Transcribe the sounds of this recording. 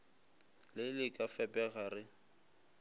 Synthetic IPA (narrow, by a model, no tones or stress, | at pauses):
lɪlɪkʼafɛpʼɛɣaɾɪ